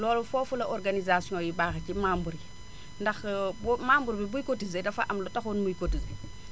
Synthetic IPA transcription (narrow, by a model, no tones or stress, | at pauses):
lɔːlufofulɐʔoɾɡanizasiõjibaːxat͡ʃimambuɾi | ndɐxbmambuɾbibujkotizedɐfaʔamlotaxonmujkotize